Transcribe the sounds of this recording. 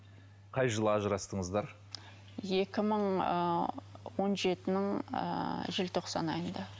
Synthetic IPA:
qʰɑjʒəlˠɑʒəɾɑst̪əɴəzd̪ɑɾ | je̞kʲɪməɴ | wo̞nʒe̞t̪ɪnɪɴ̰ | ʒɪlt̪ʰo̞qsɑ̰nɑjənd̪ɑ

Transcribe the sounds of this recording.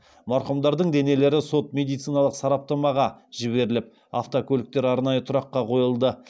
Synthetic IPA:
mɑɾqəmd̪ɑɾd̪əɴd̪e̞ne̞le̞ɾɪso̞t̪̚mʲe̞d̪ijt̪sijnɑlˠəqsɑɾɑp̚t̪ɑmɑʁɑʒ̥ɪβe̞ɾɪlɪp̚ | a̰ft̪okʲʰɵlɪk̚t̪e̞ɾɑɾnɑjət̪ʰʊɾɑqːɑqʰo̞jəlˠd̪ə

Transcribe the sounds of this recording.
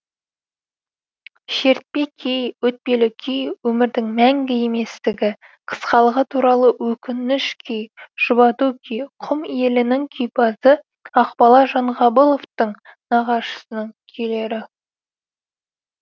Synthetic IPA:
ʃe̞ɾt̪̚pe̞kʲʰejwɵt̪̚pe̞lɪkʲʰejwɵmɪɾd̪ɪŋmæŋɡʲɪe̞me̞st̪ɪɡʲɪ | qʰə̥sqɑlˠəʁət̪ʰuɾɑlˠəwɵkʲɪnɪʃkʲʰejʒ̥ʊbɑt̪ukʲʰijqʰʊme̞lɪnɪŋkʲʰʏjpɑzə | ɑqbɑlˠɑʒɑɴʁɑbəlˠo̞ft̪əɴnɑʁɑʃə̥sənəŋkʲʰejle̞ɾɪ

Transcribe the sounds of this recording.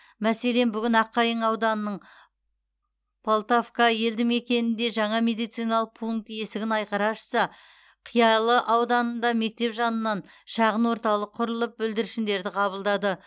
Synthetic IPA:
mæse̞le̞nbʏɡʲɪnɑqːɑjəɴɑwd̪ɑnənəɴ | pʰolˠt̪ofkɑje̞ld̪ɪŋe̞kʲe̞nɪnd̪e̞ʒɑɴɑmʲe̞d̪ijt̪sijnɑlˠəq̚pʰuŋk̚t̪je̞sɪɡʲɪnɑjqɑɾɑʃə̥sɑ | qʰijɑlˠəʔɑwd̪ɑnənd̪ɑme̞k̚t̪e̞pʒɑnənːɑn | ʃɑʁənwo̞ɾt̪ɑlˠəqʰːʊɾəlˠəp̚bʏld̪ɪɾɪʃɪnd̪e̞ɾd̪ɪqʰɑβəlˠd̪ɑd̪ə

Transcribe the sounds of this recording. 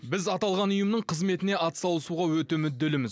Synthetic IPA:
bɪzɑt̪ɑlˠʁɑnʊjəmnəɴqʰəzme̞t̪ɪne̞ɑt̪ə̥sɑlˠəsuʁɑwɵt̪e̞mʏd̪ːe̞lɪmɪz

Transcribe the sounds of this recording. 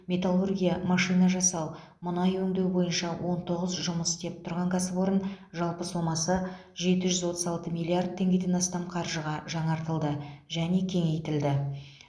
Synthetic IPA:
me̞t̪alˠurɡʲijamɑʃijnɑʒɑsɑw | mʊnɑjwɵŋd̪e̞wbo̞jənʃɑwʔo̞nt̪ʰo̞ʁəzʒʊməst̪e̞p̚t̪ʰʊɾʁɑŋkʰɑsəbo̞ɾən | ʒɑlˠpəsomɑsə | ʒe̞t̪ɪʒʏzwo̞t̪əzɑlˠt̪əmijlˠiard̪̚t̪ʰːe̞ŋɡʲe̞d̪e̞nɑst̪ɑmqʰɑɾʒəʁɑʒɑɴɑɾt̪əlˠd̪əʒæne̞kʲʰe̞ŋe̞jt̪ɪld̪ɪ

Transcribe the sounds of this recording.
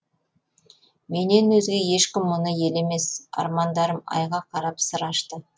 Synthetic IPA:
me̞ne̞nwɵzɡʲe̞je̞ʃkʲɪmːʊnəje̞le̞me̞sɑ̰ɾmɑnd̪ɑɾəmɑ̰jʁɑqʰɑɾɑpsəɾɑʃt̪ə

